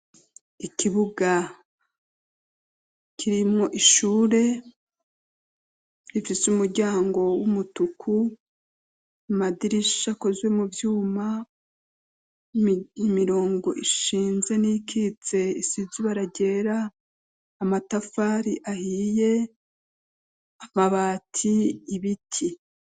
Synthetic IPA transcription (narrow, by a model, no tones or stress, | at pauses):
ikʰiβuɡa | kʰiɾimŋo̞ʔiʃuːɾe̞ | ifisumuɾɟaːŋɡo̞wumutukʰu | amadiɾiʃako̞zwe̞muvjuːma | imiɾo̞ːŋɡo̞̰ʔiʃiːnze̞nikʰit͡se̞isiziβaɾaɟe̞ːɾaː | matafaːɾiʔahiːje̞ | amaβaːtʰiːβitʰi